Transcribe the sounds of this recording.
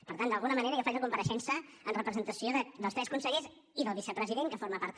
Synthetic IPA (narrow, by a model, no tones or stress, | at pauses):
pəɾt̪and̪əlˠɣunəməneɾəɣəfaʒəkumpəɾəʃɛnsəənrəpɾəzənt̪əsioðəðəlˠpɛskunsəɣez | iðəlˠβisəpɾəziðeŋkəfoɾməpaɾt̪